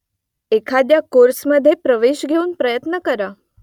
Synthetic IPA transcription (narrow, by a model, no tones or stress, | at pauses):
ekʰad̪jakoɾsməd̪ʱjepɾəʋeʃɡʱeunpɾəjət̪nəkəɾa